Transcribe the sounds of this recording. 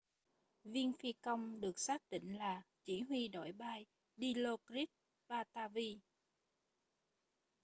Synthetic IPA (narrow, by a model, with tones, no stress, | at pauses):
vi˧ənfi˧kə˧wŋ͡mɗɨ˨˩ək̚saː˦˥k̚t̪ḭ̈˧˨ŋ̟laː˨˩t͡ɕi˧˩ɦwi˧ɗo̰˧˩jɓaː˧j | ɗi˧lo˧kɾi˦˥t̚ | ɓaː˧t̪aː˧vi˧